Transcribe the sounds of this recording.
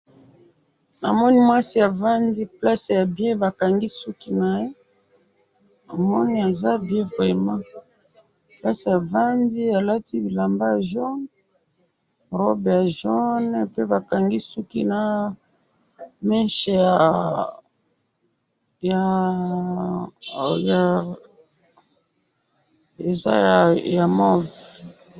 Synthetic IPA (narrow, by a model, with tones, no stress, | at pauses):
a̰˨mɔ˦ni˦mwa˦si˦ja˨va˦ndi˦pla˦sja˨bjɛ̃˦ba˨ka˨ŋɡi˦su˦ki˦na˨je˦ | a˨mɔ˦ni˦a˨za˦bjɛ˦vʁɛ˨mã˦ | pla˦se˨ja˨va˦ndi˦a˨la˦ti˦bi˨la˨mba˦ja˨ʒɔ˦n | ʁɔ˦bja˨ʒɔ˦n˨pe˦ba˨ka˨ŋɡi˦su˦ki˦na˨ | mɛ˦ʃɛ˨ja˨ | ja˨ | ja˨ | e˨za̰˦ja˨ja˨mɔ˦v